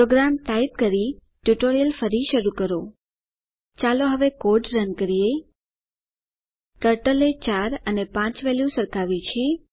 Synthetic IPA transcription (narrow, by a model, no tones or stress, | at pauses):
pɾoɡɾamʈ̪aip̚kəɾi | ʈjuʈoɾijəlfəɾiʃəɾukəɾo | t͡ʃaloɦəʋekoɾɖɾənkəɾije | ʈəɾʈəlet͡ʃaɾənepãt͡ʃʋɛljusəɾkʰaʋit͡ʃʰe